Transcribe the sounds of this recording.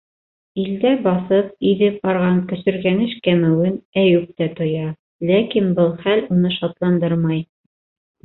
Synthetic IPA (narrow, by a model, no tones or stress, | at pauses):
ild̪æbɑθɤp̚iðɘp̚bɑɾʁɑŋkɵ̆sɵ̆ɾɡænɘʃkæmɘwɘnæjʉp̚t̪æt̪ŏjɑ | lækinbɤlˠχælunɤʃɑt̪lˠɑnd̪ɤɾmɑj